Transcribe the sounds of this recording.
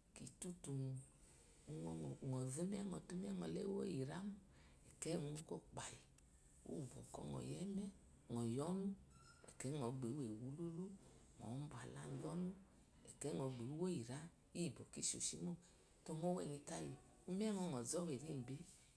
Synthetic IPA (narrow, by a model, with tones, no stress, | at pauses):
ki˨tu˦tu˨mu˨˦˨ | ŋɔ˨vi˦mɛ˦ŋɔ˨tu˦m˦ɛ˦ŋɔ˨lɛ˦wo̰˦ji˨ɾa˦mu˦ | ɛ˨kɛ˦˨ŋ˨u˦kɔ˦k͡pa˨ji˨ | ṵ˦˨bɔ̰˨kɔ̰˦ŋɔ̰˨jɛ˦mɛ˦˨ | ŋɔ˨jɔ˦nu˦ | ɛ̰˨kɛ˦ŋɔ˨ɡ͡be˨˦u˦we˨wu˨˦lu˦lu˦ | ŋɔ̰˨˦ba˨la̰˨˦˨n̩˦vɔ˦nu˦ | ɛ˨kɛ˦ŋɔ˨ɡ͡be˨u˦wo˦ji˨ɾa˦ | i˦i˨bɔ˨ki˦ʃo̰˨ʃi˦mo˦ | tɔ˧ŋo˦wɛ̰˨ni˧ta˦ji˨ | u˦m˦ɛ˦ŋɔ˧ŋɔ˨zɔ˦we˨ɾe˦m̩˨be˦